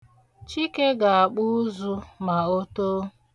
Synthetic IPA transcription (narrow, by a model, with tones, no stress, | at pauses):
t͡ʃi˦ke˦ɡa˨a˨k͡pʊ˦zu˦ma˨o˦to˦